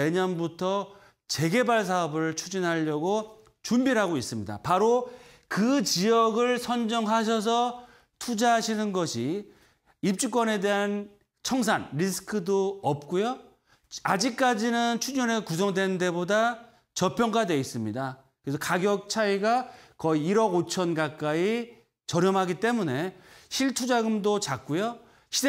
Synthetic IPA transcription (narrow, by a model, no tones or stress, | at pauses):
e̞ɲʌnbutʰʌ | t͡ɕe̞ɡe̞baɭs̬ʰaʌbɯɭt͡ɕʰud͡ʑinɦaʎːʌɡo | t͡ɕumbiɾɦaɡois͈ɯmɲida̰paɾo | kɯt͡ɕijʌɡɯɭsʰʌnd͡ʑʌŋɦaɕ̬ʰʌs̬ʰʌ | tʰud͡ʑaɦaɕʰinɯnɡʌɕʰi | ip̚t͡ɕ͈uk͈wʌne̞de̞ɦan | t͡ɕʰʌŋs̬ʰanɾisʰɯ̥kʰɯdoʌp̚k͈ujo | ad͡ʑik̚k͈ad͡ʑinɯnt͡ɕʰud͡ʑʌnekus̬ʰʌŋdwe̞nnde̞boda | t͡ɕʌpʰjʌŋɡadwe̞is͈ɯmɲida | kɯɾesʰʌkaɡjʌk̚t͡ɕʰaiɡakʌiːɾʌɡot͡ɕʰʌnɡak͈ai | t͡ɕʌɾjʌmɦaɡit͈e̞mune̞ɕʰiɭtʰud͡ʑaɡɯmdot͡ɕak̚k͈ujo | ɕʰi